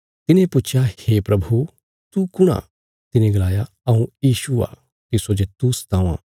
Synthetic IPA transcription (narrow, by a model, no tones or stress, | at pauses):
t̪ɪnẽpʊt͡ʃʰjaheːpɾɐbʱu | t̪ukʊɽ̃a̰ | t̪ɪnẽɡɐlaːja | ɐũjiːʃua̰ː | t̪ɪsod͡ʒet̪usɐ̥t̪ãːã̰ː